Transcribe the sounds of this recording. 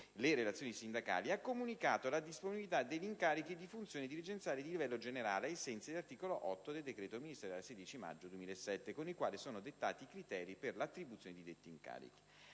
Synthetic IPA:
leɾelat̪sːjoːnisind̪aka̰ːliakːomunikaːt̪olad̪isponibilit̪ad̪eʎːiŋkaːɾik̟id̪ifunt̪sjoːnid̪ilid͡ʒent̪sjaːled̪ilivɛlːod͡ʒeneɾa̰ːleaesɛnt̪sid̪elart̪iːkoloʔɔt̪ːod̪eld̪ekɾeːt̪ominist̪eɾaleseːd̪it͡ʃima̰d͡ʒːod̪uemiːlaesːɛt̪ːekonikwaːlisoːnod̪et̪ːa̰ːt̪iːkɾit̪ɛːɾiperlat̪ːɾibut̪sjoned̪id̪et̪ːiːŋka̰ːɾḭk̟i̥

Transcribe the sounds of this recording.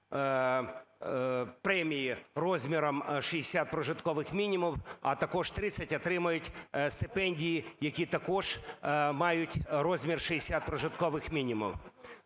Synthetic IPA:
pɾɛmʲijirɔzʲmʲiɾɔmʃijɪsʲat̪̚pɾɔʒɪt̪kɔʋɪxmʲinʲimʊwɐt̪ɐkɔʒt̪ɾɪt͡sʲɐtʲɐt̪ɾɪmʊjʊtʲst̪ɪpɛnʲdʲijijɐkʲit̪ɐkɔʒ̥mɑjʊtʲɾɔzʲmʲirʃɪjesʲat̪̚pɾɔʒɪt̪kɔʋɪxmʲinʲimʊ̰w

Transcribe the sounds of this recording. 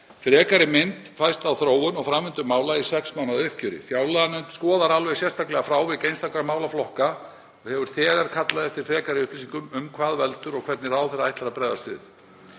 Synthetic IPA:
fɾɛːkaɾɪmɪnt̪fajst̪awθɾoːwʏnɔɣfɾamvɪnt̪ʏmaːwlaisɛksmawnaðʏhcʏɾɪ̰fjaːwlaðanʏnt̪skɔːðaɾalvɛsjɛst̪ʰaklɛɣafɾaːwvɪðcejnst̪awklaɾamaːwlaflɔhka | ɔɣhɛvʏɾ̥θɛːɣaɾ̥kʰat̪laðɛft̪ɪɾ̥fɾɛːkaɾɪʏhplisiŋkʏmʏmkʰvaːðvɛlt̪ʏɾɔɣkʰvɛɾt̪nɪɾaːwθɛraajht̪aɾːapɾɛjðast̪ʏ̰ːð

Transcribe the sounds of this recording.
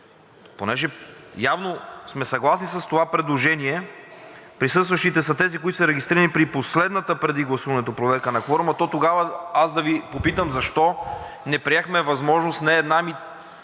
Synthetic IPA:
ponɛʒɛjavnosmɛsɐɡlˠasnisɐst̪ovapɾɛd̪lˠoʒɛniɛ | pɾisɤst̪vɐʃt̪it̪ɛsɐt̪ɛzikoit̪o̥sɾɛɡ̟ist̪ɾiɾənipɾiposlɛd̪nət̪əpɾɛd̪iɡlˠɐsuvɐnɛt̪opɾovɛɾkənɐkɔɾmət̪ɔt̪oɡavəazd̪ɐvipopit̪əmzɐʃt̪ɔ | nɛpɾiɛxmɛvɐzmɔʒnost̪nɛːd̪nami

